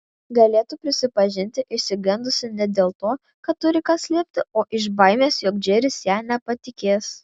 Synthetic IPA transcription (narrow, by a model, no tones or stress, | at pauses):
ɡɐlʲeːt̪ʊpʲɾʲɪsʲɪpɐʒʲɪnʲt̪ʲɪʔɪʃʲsʲɪɡʲɛnd̪ʊsʲɪnʲɛd̪ʲeːlˠt̪oː | kɐt̪tːʊɾʲɪkɐsʲlʲeːpʲt̪ʲɪoːʔɪʒbɐɪmʲeːsjoːk̚d͡ʒʲeɾʲɪsjæːnʲɛpɐt̪ʲɪkʲeːs